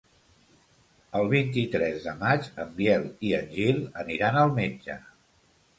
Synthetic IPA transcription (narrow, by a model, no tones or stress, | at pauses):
əlˠβ̞int̪it̪ɾɛzðəmat͡ʃəmbjɛlˠiənʲʒilˠə̰niɾanəlˠmed͡ʒə̰